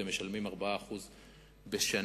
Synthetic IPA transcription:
emeʃalmimaʁbaaːχuz | beʃan

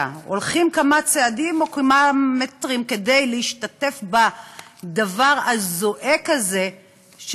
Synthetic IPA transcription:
o̰lχimkamat͡seadimo̞kamametʁimke̞de̞jleiʃtate̞fbad̪avaʁazoʔekaze̞ | ʃ

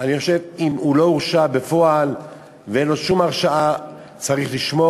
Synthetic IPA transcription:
aniχo̞ʃe̞vimulo̞uʁʃabe̞fo̞al | veenlo̞ʃumaʁʃaʔa | t͡saʁiχliʃmo

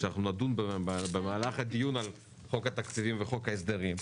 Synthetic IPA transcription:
anaχnunad̪unbebemaːlaχhad̪ijunal | χo̞khat̪akt͡sivimveχo̞khaes̬d̪eʁim

